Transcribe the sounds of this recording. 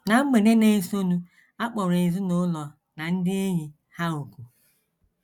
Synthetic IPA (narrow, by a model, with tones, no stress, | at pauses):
na˨m̩˦me˨ɾe˦ne˨e˦˨so˦nu˦ | a˦k͡pɔ˨ɾɪ˨zʊ˦nʊ˦lɔ˨ | na˨n̩˦dɪ˦e˦ɲi˨ | ha˦o˨ku˨